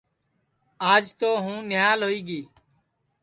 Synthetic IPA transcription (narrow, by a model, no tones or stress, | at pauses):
aːd͡ʒt̪oːɦũːnɪjaːlɦoːiːɡiː